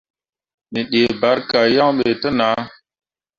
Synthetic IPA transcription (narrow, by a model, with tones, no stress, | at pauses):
ni˨ɗe˨ba˨˦ɾka˨ja˦ŋɓe˨tə˦na˨˦